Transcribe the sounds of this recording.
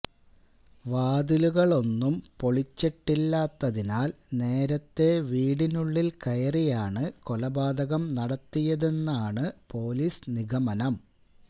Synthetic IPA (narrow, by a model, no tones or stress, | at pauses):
ʋaːd̪iluɣɐɭo̞nːumpo̞ɭit͡ɕːiʈːilːaːt̪ːɐðinaːl | ne̞ːɾɐt̪ːe̞ʋiːɽinuɭːilkɐjɐrijaːɳɨkolɐbaːd̪ɐɣɐmnɐɽɐt̪ːijɐðe̞nːaːɳɨpo̞ːliːsniɣɐmɐnɐm